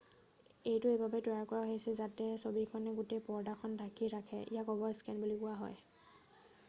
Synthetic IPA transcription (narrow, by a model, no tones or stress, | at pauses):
ejtʊejbabɛtɔjaɹkɔɹaɦojasɛzatɛsobikʰɔnɛɡutejpɔɹdakʰɔndʰʱakiɹakʰɛ̰ʔḭjakɔbɔskɛnbulikʊaɦɔ̰j